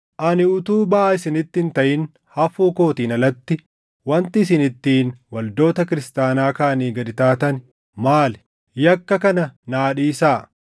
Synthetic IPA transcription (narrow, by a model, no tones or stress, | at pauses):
ʔɐnɪʊt̪uːbɐʔaːɪsɪnɪt̪ːɪnt̪ɐʔɪn | hɐfuːko̞ːt̪iːnɐlɐt̪ːɪ | wɐnt̪ɪːs̬ɪnɪt̪ːiːnwɐld̪o̞ːt̪ɐkɪɾɪst̪aːnaːkaːniːɡɐd̪ɪt̪aːt̪ɐn | maːlɛ | jɐkːɐkɐnɐnaːᶑiːsaː